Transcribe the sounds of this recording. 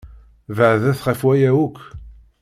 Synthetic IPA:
vəʕðæθʁəfwæjæwukʷː

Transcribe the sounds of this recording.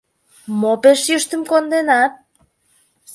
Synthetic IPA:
mopeʃjøʃt̪əmkond̪enɑt̪̚

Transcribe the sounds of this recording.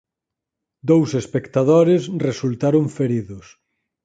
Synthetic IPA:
d̪owsespekt̪aðoɾesresult̪aɾoɱfeɾiðʊs

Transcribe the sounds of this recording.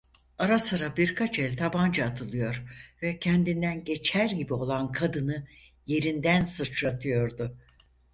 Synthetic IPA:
aɾasɯɾabiɾkʰat͡ʃɛlʲt̪ʰaband͡ʒaːt̪ʰɯlˠɯjo̞ɾvɛcʰɛnd̪ind̪ænɟe̞t͡ʃʰæɾɟibio̞lˠankʰad̪ɯnɯ | je̞ɾind̪ænsɯt͡ʃɾat̪ʰɯjo̞ɾd̪ʊ

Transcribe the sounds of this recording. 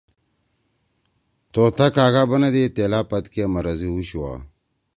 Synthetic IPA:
t̪oːt̪akaːɡabɐnɐd̪et̪eːlapɐt̪kiamɐɾɐziwuɕiwa̰ː

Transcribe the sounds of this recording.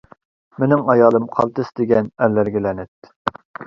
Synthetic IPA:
menɪŋɑjɑːlˠɨmqʰɑlˠt̪ɨsd̪ɪɡʲɛnælːæɾɡʲɛlɛnɪt̪̚

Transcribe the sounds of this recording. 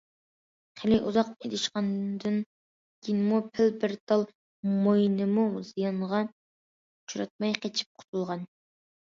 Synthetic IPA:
χʰelɪʔuzɑqed̪ɪʃqɑnd̪ɨn | ɡʲʰinmupʰɪlbɪɾt̪ʰɑlˠ | mojnɨmuzijɑɴʁɑ | t͡ʃʰuɾɑt̪̚mɑjqʰet͡ʃʰi̥p̚qʰʊ̥t̪ʰulˠʁɑn

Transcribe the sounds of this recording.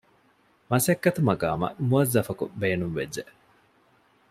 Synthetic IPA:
mɐsɐkːɐt̪umɐɡa̰ːmɐ̰muɐzːɐfɐkṵbeːnumʋḛd͡ʒd͡ʒe

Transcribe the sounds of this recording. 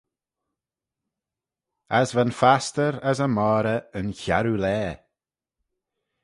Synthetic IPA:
azvanfastəɾəzəmɔːɾəənça̰ɾulɛː

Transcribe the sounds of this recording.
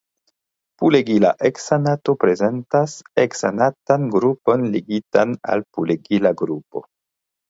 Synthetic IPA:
puleɡila̰ʔeksanato̞pɾe̞ze̞ntaseksa̰natanɡɾupo̞nleɡitana̰lpuleɡilaɡɾupo̞̰

